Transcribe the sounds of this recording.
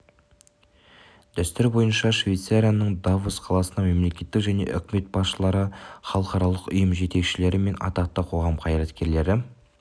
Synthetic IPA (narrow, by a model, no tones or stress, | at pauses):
d̪̥æst̪ɪɾbo̞jənʃɑʃvejt̪saɾʲijanəɴd̪avusqʰɑlˠɑsənɑme̞mle̞kʲe̞t̪ːɪkʒæne̞̰ʔʏ̰kʲɪme̞t̪̚bɑsʃəlˠɑɾəχɑlˠəqɑɾɑlˠəqʏjəmʒe̞t̪e̞kʃɪle̞ɾɪme̞nʔɑ̰t̪ɑq̚t̪ːəqʰo̞ʁɑmqʰɑjɾɑt̪kʲe̞ɾle̞ɾɪ